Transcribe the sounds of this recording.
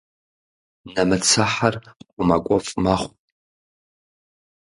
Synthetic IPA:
nɐmɨt͡sʰaħarqʷʊmakʷʼɔfʼmaχʷʼ

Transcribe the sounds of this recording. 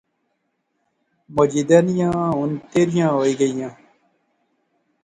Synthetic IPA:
mod͡ʑid̪ɐnijãːunt̪eɾijãːɦoːiɡɐijãː

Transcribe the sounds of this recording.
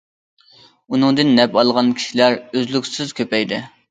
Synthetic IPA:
unɨŋd̪ɨnːɛpɑlˠʁɑnkʲʰi̥ʃilæɾøzlykʲsɪzkʲʰøpɛjd̪ɪ

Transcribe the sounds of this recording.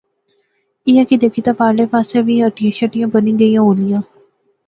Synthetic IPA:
ɪjãːkid̪eːkʰiːt̪ãːpaːɾleːpaːseʋiːəʈijãːʃəʈɪjãːbənĩːd̪eijãːɦoːlɪjãː

